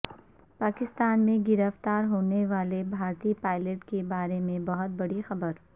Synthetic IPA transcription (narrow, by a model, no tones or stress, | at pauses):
paːkɪst̪aːnmẽɡɪɾəft̪aːɾɦoːneʋaːlebʱaːɾt̪ipaːɪləʈkebaːɾemẽbɐɦʊt̪̚bɐɽixɐbəɾ